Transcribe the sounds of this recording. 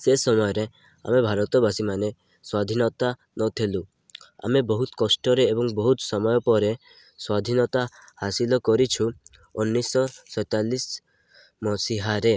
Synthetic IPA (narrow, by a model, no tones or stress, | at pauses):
sesɔmɔjɔɾe | a̰mebʱaɾɔt̪ɔbasimane | swad̪ʱinɔt̪a | nɔt̪ʰelu | a̰mebɔɦut̪kɔsʈɔɾeːbɔŋbɔɦut̪sɔmɔjɔpɔɾe | swad̪ʱinɔt̪a | hasilɔkɔɾit͡ʃʰu | unːisɔsɔjt̪alis | mɔsiɦaɾe